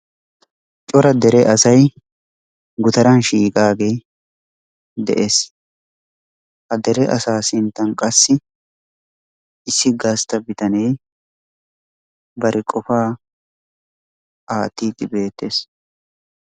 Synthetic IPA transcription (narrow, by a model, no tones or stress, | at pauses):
t͡ʃʼɔɾɐd̪ɛɾɛʔɐsɐj | ɡʊt̪ɐɾɐnʃiːkʼaːɡej | d̪ɛ̰ʔeːs | hɐd̪ɛɾɛʔɐ̰saːsɪnt̪ːɐnkʼɐsːɪ | ɪsːɪɡɐst̪ɐbɪt̪ɐnɛj | bɐɾʔɪkʼɔfaː | aːt̪ːiːd̪ɪbe̞ːt̪ːeːs